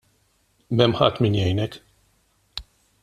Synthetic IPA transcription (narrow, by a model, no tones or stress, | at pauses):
mɛmhat̪minjɛjnɛk